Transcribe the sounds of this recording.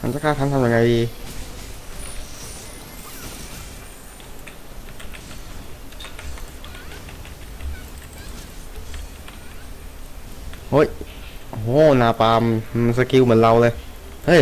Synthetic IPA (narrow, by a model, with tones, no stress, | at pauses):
ma˧˥nt͡ɕa˧˥kʰaː˥˩t̪ʰa˧nt̪ʰa˧mja˧ŋa˧jdiː˧˩ | ho˦˥˩jʔo˧ɦoː˨˦˥naː˧paː˧m˧nsa˧˩ki˧wmɯ˩˦nla˧wlɤː˧j | hɤ˧˥˩j